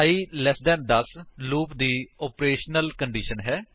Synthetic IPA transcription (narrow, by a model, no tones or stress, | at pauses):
iːlɛsd̪ɛːnd̪əsluːpd̪iːɔːpɾeːʃnəlkəɳɖiːʃənɦɛː